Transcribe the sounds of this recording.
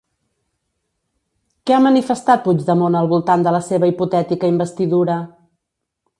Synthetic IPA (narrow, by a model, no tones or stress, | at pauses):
kɛamənifəst̪at̪̚pud͡ʒd̪əmonəlˠβulˠt̪and̪ələseβəiput̪ɛt̪ikəimbəst̪iðuɾə